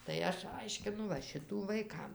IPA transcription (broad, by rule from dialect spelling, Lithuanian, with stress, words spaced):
tɐɪ ˈɐʃ ˈɐɪʃʲkʲɪnʊ ʋɐ ˈʃʲɪtuː ʋɐɪˈkɐm